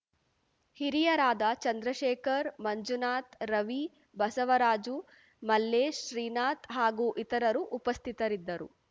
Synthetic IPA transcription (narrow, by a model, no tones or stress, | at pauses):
hiɾijɐɾaːd̪ɐt͡ʃɐnd̪ɾɐʃɛːkʰɐɾmɐɲd͡ʒunaːt̪ɾɐʋi | bɐsɐʋɐɾaːd͡ʒu | mɐlːeːʃɾiːnaːt̪ɦaːɡuːʔit̪ɐɾɐɾuʔːpɐst̪ʰit̪ɐɾid̪ːɐɾṵ